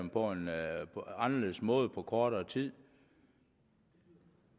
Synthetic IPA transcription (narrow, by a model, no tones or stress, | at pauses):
mpʰɒ̽enʰ | ɑ̈nɐleð̩̰ˠsmɔ̽ːð̩ˠpʰɒ̽kʰɒːɾ̥ɐt͡sʰið̰ˠ